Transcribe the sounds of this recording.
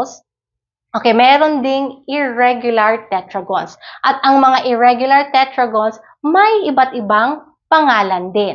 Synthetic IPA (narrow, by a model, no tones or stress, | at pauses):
ʔoːkejmɛːɾond̪ɪŋɪɹɛɡjʊlɐɹt̪ɛt̪ɹɐɡonsʔɐt̪̚ʔɐŋmɐŋaʔɪɹɛɡjʊlɐɹt̪ɛt̪ɹɐɡons | mɐjʔɪbat̪ɪbaŋ | pɐŋaːlɐnd̪ɪn